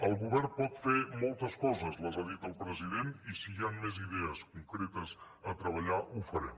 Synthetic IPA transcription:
əlˠɣuβɛɾpɔt̪femɔlˠt̪əskɔzəzləzaðit̪əlˠpɾəziðenisijanmɛziðɛəskuŋkɾet̪əz | ət̪ɾəβ̞əʎaʔufəɾɛ̰m

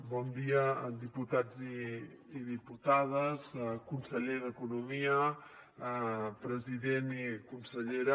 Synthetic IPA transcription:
bɔnd̪iəd̪iput̪ad͡zi | iðiput̪aðəzkunsəʎeðəkunumiə | pɾəziðenikunsəʎeɾ

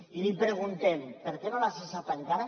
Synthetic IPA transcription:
ilipɾeɣ̞unt̪empeɾkenolasesapaŋkaɾa

